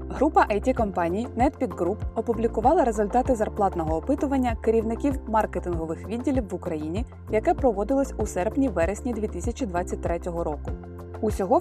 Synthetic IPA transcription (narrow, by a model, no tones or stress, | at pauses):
ɦɾupɐʔɐjtʲikɔmpɑnʲijnɛt̪pʲiɡ̪ːɾupɔpʊblʲikʊʋɑlˠɐɾezʊlʲt̪ɑt̪ɪzɐrplˠɑt̪nɔɦɔːpɪt̪ʊʋɐnʲːɐkeɾʲiwnɪkʲiwmɑrket̪ɪnɦɔʋɪxʋʲidʲːilʲiwʋʊkɾɐjinʲi | jɐkɛpɾɔʋɔd̪ɪlˠɔsʲusɛrpnʲiʋɛɾesʲnʲid̪ʲʋʲit̪ɪsʲɐt͡ʃʲid̪ʋɑtt͡sʲːɐt̚ʲt̪ɾɛtʲɔɦɔɾɔkʊ | usʲɔɦɔ